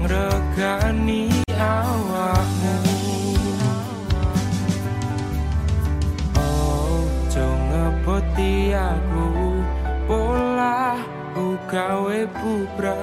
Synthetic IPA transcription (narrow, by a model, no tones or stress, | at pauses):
ŋɾəɡ̥aniawak̚nə | w | ʔɔ̥ | d͡ʒɔŋəbət̪iaɾu | polah | buɡ̥aweb̥ubɾa